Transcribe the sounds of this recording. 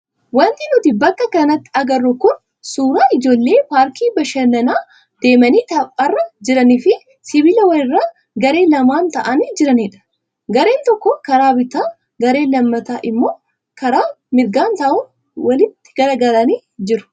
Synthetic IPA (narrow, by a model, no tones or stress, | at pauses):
wɐnt̪ɪnʊt̪ɪbɐkːɐkɐnɐt̪ːɪ̥ɐɡɐrːʊkʊn | suːɾaːɪd͡ʒo̞ːlːe̞ːpaːɾkʰiːbɐʃɐnɐnaː | d̪̥e̞ːmɐniːt̪ɐpʼːɐrːɐd͡ʒɪɾɐniːfɪ | sɪbɪlɐwɐnɪrːaː | ɡɐɾe̞ːlɐmaːnt̪ɐʔɐniːd͡ʒɪɾɐniᶑɐ̥ | ɡɐɾe̞ːnt̪ɔkːɔkɐɾaːbɪt̪aː | ɡɐɾe̞ːlɐmːɐt̪aːʔɪmːo̞ː | kɐɾaː | mɪɾɡaːnt̪ɐʔʊn | wɐlɪt̪ːɪ̥ɡ̥ɐɾɐɡɐɾɐniː | d͡ʒɪɾʊ̥